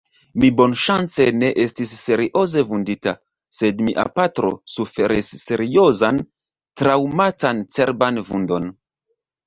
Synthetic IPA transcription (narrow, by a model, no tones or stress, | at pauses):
mibo̞nʃant͡se̞ne̞ʔe̞stis̬ːe̞ɾiʔo̞ze̞vundita | se̞dmiʔa̰patɾo̰sufe̞ɾisːe̞ɾio̞zan | tɾawmatant͡se̞ɾbanvṵndo̞n